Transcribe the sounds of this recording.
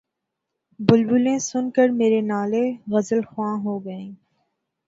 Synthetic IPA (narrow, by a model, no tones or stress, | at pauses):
bʊlbʊlẽːsʊnkəɾmeːɾenaːleɣəzəlxʊãːɦoːɡəẽː